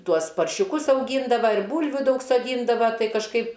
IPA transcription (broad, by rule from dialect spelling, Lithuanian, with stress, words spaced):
ˈtuɔs pɐrʲʃʲʊˈkʊs ɐʊˈɡʲiːndɐʋɐ ɪr ˈbuːlʲʋʲuː ˈdɐʊk soːˈdʲiːndɐʋɐ ˈtɐɪ kɐʃˈkɐɪp